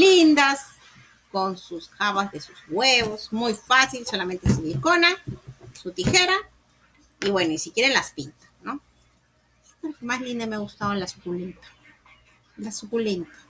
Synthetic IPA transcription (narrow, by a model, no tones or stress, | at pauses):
lind̪as | konsuskaβazðesusweβosmujfasilsolament̪esuβilkonasut̪ixeɾa | iβwenoisikeɾaelaspint̪ḁno | k̪oɾkemaslind̪emeɣust̪aolasu̥kulint̪ḁ | lasukulint̪ḁ